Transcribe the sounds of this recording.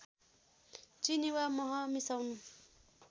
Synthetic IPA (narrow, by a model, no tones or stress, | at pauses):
t͡ʃiniwamɔɦɔmisawnu